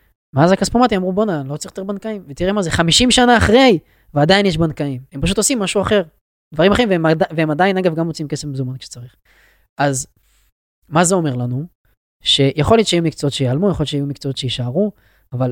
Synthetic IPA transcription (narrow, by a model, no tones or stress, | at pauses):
meazakaspomat̪iamʁubo̞nalot͡saiχt̪ebankaimvet̪iʁemazeχamiʃimʃanaːχʁe̞j | vead̪ainjeʃ̬bankaimempaʃ̬ut̪o̞simːaʃuaχe̞ʁ | d̪vaʁimaχeiveemdaveemad̪ainaɡavɡamʁot͡siimkesefmezomankʃe̥t͡saʁiχ | ʔaz | mazeo̞me̞ʁlanu | ʃe̞jaχo̞ljotʃeajumikt͡soot̪ʃejaalmujexojot͡ʃeajumikt͡soot̪ʃejiʃaaʁu | aval